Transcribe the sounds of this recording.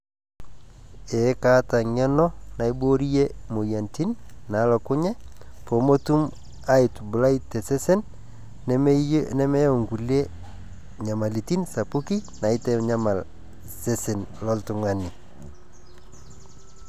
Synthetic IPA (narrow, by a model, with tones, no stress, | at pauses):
ɛ˨˦ka˦ta˨ɲɛ˦nɔ˦na˨i˦bo˦ɾi˦je˦mo˨ja˨nti˦nːa˨˦lɔ˨kʊ˦ɲɛ˦po˨mo˦tu˦m | a˦ɪ˨tbʊ˨la˦itːɛ˨sɛ˦sɛ˦n | nɛ˦mɛ˦jo˨ŋɡu˨le˦ | ɲa˨ma˨li˨ti˦nsa˨pu˦ki˦na˨ɪ˦tɛ˦ɲa˦ma˨l | se˦sɛ˨nlɔ˦ltʊ˨ŋa˦ni˨